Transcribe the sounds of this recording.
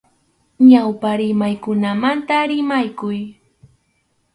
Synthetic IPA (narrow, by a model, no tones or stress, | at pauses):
ɲawpaɾɪmajkʊnamant̪aɾɪmajkʊj